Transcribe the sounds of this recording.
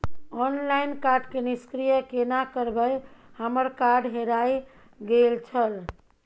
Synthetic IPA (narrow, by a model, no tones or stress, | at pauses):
ɔnlajnkaɾɖkeniskɾijəkenakəɾbəjhəməɾkaɾɖɦeɾaj | ɡelt͡ʃʰəl